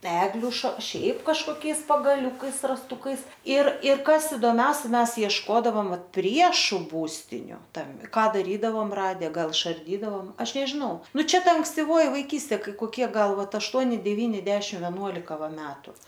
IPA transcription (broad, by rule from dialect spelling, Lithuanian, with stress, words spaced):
ˈæːɡlʲʊ ʃɐ ˈʃʲɛɪp kɐʃkoːˈkʲɛɪs pɐɡɐˈlʲʊkɐɪs rɐsˈtʊkɐɪs ɪr ɪr ˈkɐs ɪdoːˈmʲɛʊsʲɛ ˈmʲɛs iɛʃˈkoːdɐʋoːm ˈʋɐt ˈpʲrʲiɛʃʊ ˈbuːsʲtʲɪnʲʊ tɐm ˈkɑː dɐˈrʲiːdɐʋoːm ˈrɑːdʲɛ ˈɡɐlˠ ɪʃɐrʲˈdʲiːdɐʋoːm ˈɐʃ nʲɛʒʲɪˈnɐʊ ˈnʊ t͡ʃʲɛ ˈtɐ ɐŋksʲtʲɪˈʋoːjɪ ʋɐɪˈkʲiːsʲtʲeː ˈkɐɪ koːˈkʲiɛ ˈɡɐlˠ ˈʋɐt ɐʃˈtuɔnʲɪ dʲɛˈʋʲiːnʲɪ ˈdʲæːʃʲɪm ʋʲɛˈnuɔlʲɪkɐ ˈʋɐ ˈmʲæːtʊ